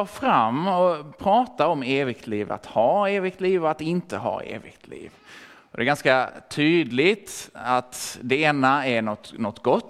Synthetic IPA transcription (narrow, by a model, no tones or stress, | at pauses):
ɑːfɾamːɔpʰɾɑːt̪aɔmeːvɪɡ̚t̪ʰliːva̰t̪hɑːeːvɪɡt̪liːvɔat̪ɪnt̪əɦɑ̰ːḛːvɪ̰ɡt̪ʰlḭːv | ɔd̪ɛɡanskat̪ʰyːd̪lɪt̪at̪d̪ɛeːnaɛnɔt̪nɔt̪ːɡɔt̪ː